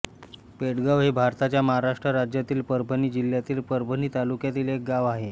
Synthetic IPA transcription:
peɽɡəʋɦebʱaɾt̪at͡ɕjaməɦaɾaʂʈɾəɾad͡ʑjat̪iːlpəɾbʱəniːd͡ʑil̤ːjat̪iːlpəɾbʱəniːt̪alukjat̪iːlek̚ɡaʋaɦe

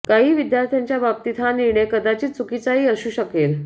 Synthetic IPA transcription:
kaɦiːʋid̪jaɾt̪ʰjaɲt͡ɕjabab̚t̪it̪ʰaniɾɳekəd̪at͡ɕiːt͡sukit͡saɦiːəɕuːɕəkel

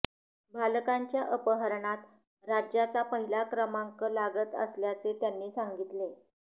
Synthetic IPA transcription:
bʱalkaɲt͡ɕjaʔəpəɦəɾɳat̪ | ɾad͡ʑjat͡sapəɦilakɾəmaŋkəlaɡət̪ə̰sljat͡set̪janːiːsaŋɡit̪le

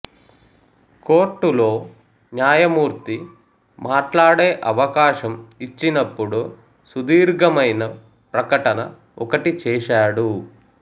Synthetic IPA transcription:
ko̞ːʈːulo̞ː | njaːjɐmuːɾt̪i | maːʈlaːɽeːʔɐʋɐkaːʃɐmit͡ʃːinɐpːuɽu | sud̪iːɾɡɐmɐjnɐ | pɾɐkɐʈɐnɐ | ɔkɐʈit͡ʃɛːʃaːɽu

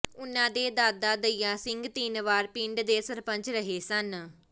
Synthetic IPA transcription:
ʊnːãːd̪eːd̪aːd̪aːd̪əijãːsɪŋɡt̪iːnʋaːɾpĩːɳɖd̪eːsəɾpəɲt͡ʃɾəɦeːsən

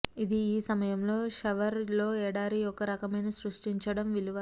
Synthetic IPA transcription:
id̪iːsɐmɐjɐmlo̞ːʂɐʋɐɾlo̞ːɛːɽaːɾiɔkɐɾɐkɐmɐjnɐsɾuʂʈiɲt͡ʃɐɽɐmʋiluʋɐ

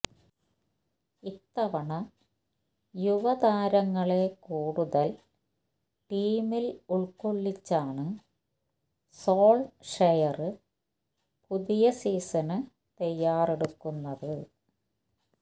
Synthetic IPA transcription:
it̪ːɐʋɐɳɐ | juʋɐd̪ʱaːɾɐŋːɐɭe̞kuːɽuðɐl | ʈiːmiluɭkoɭːit͡ɕːaːɳɨ | soːɭʂɐjɐrɨ | puðijɐsiːsɐnɨ | t̪ɐjːaːreɽukːunːɐðɨ

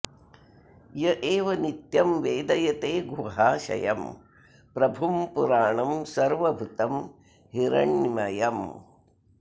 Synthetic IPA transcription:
jɐʔeːʋɐnit̪jɐmʋeːd̪ɐjɐt̪eːɡuɦaːʃɐ̰jɐm | pɾɐbʱumpuɾaːɳɐmsɐɾʋɐbʱut̪ɐm | hiɾɐ̰ɳmɐjɐm

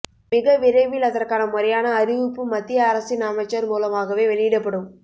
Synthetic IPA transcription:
mɪɣɐʋɪɾɐɪʋɪlɐðɐrkaːnɐmʊɾɐjaːnɐːɾɪʋɯpːɯmɐt̪ːɪjɐːɾɐsinaːmɐt͡ʃːɐɾmuːlɐmaːɣɐʋeːʋɛɭɪjɪɽɐpːɐɽɯm

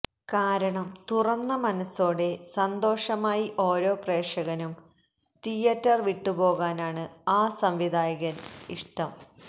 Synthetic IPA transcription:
kaːɾɐɳɐmt̪urɐnːɐmɐnɐso̞ːɽe̞sɐnd̪o̞ːʂɐmaːjiʔo̞ːɾo̞ːpreːʂɐɣɐnum | t̪ijɐtːɐrʋiʈːupo̞ːɣaːnaːɳɨaːsɐmʋid̪ʱaːjɐɣɐniʂʈɐm

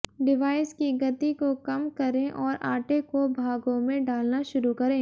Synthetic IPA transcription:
ɖɪʋaːɪskiɡɐt̪ikokɐmkɐɾẽʔɔːɾaːʈekobʱaːɡõmẽɖaːlnaʃʊɾukɐɾẽː

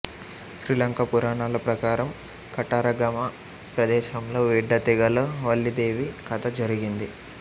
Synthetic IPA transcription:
ʃɾilɐŋkɐpuɾaːɳaːlɐpɾɐkaːɾɐm | kɐʈaːɾɐɡɐma | pɾɐd̪ɛːʃɐmlo̞ːʋiɖːɐt̪iɡɐloːʋɐɭːid̪eːʋikɐt̪ɐd͡ʒɐɾiɡind̪i

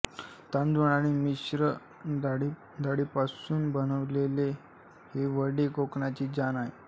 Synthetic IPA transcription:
t̪and̪uɳaɽ̃imiɕɾə | aɽi | d̪aɽipasuːnbənəʋlele | heʋəɽekokɳat͡ɕiːd͡ʑanaɦe

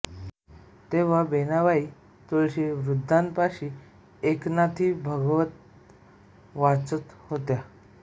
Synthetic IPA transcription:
t̪eʋ̤abenaʋai | t̪oɭɕeʋɾud̪ʱːanpaɕi | eknat̪ʰiːbʱəɡʋət̪̚ | ʋat͡sət̪hot̪ja

